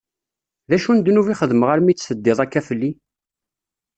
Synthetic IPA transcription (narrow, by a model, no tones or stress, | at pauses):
ðæʃund̪nuviχəðməʁaɾmit͡sːsəd̪ːɪðˤækːæfəlːi